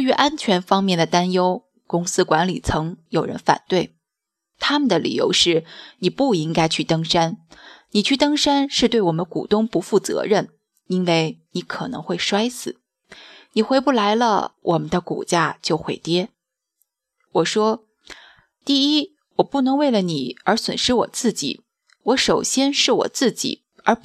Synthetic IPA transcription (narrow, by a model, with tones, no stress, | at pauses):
y˧˥ʔa˥nt͡ɕʰɥɛ˧˥nfɑ˥ŋmjɛ˥˩nd̪ə˩t̪a˥njo˥ʊ | kʊ˥ŋsɹ̩˥kwa˧˥nli˨˩t͡sʰɤ˧˥ŋjo˨˩ʊɻə̰˧˥nfa̰˨˩nt̪we˥˩ɪ | t̪ʰa˥mə˨nd̪ə˩lḭ˨˩jo̰˧˥ʊʂɻ̩˥˩ni˨˩pu˥˩i˥ŋka˥ɪt͡ɕʰy˥˩t̪ɤ˥ŋʂa˥nni˨˩t͡ɕʰy˥˩t̪ɤ˥ŋʂa˥nʂɻ̩˥˧t̪we˥˩ɪwɔ˨˩mə˦nkṵ˨˩t̪ʊ˥˧ŋpu˧˥fu˥˩t͡sɤ̰˧˥ɻə˥˩n | i˥nwe˥˩ɪni˧˥kʰɤ˨˩nɤ̰˧˥ŋxwe˥˩ɪʂwa˥ɪsɹ̩˨˩˦ | ni˨˩xwe˧˥ɪpu˥˩la˧˥ɪlə̰˧wʔɔ˨˩mə˦nd̪ə˧kṵ˨˩t͡ɕja˥˧t͡ɕjo˥˩ʊxwe˧˩ɪt̪jɛ˥ | wɔ˨˩ʂwɔ˥ | t̪i˥˩i˥ | wɔ˨˩pu˥˩nɤ˧˥ŋwe˥˩ɪlə˩ni˨˩ə˞˧˥swə̰˨˩nʂɻ̩˥wɔ̰˨˩t͡sɹ̩˥˩t͡ɕḭ˨˩˦ | wɔ˧˥ʂo˨˩ʊɕjɛ˥nʂɻ̩˥˩wɔ̰˨˩t͡sɹ̩˥˩t͡ɕḭ˨˩˦ | ə˞˧˥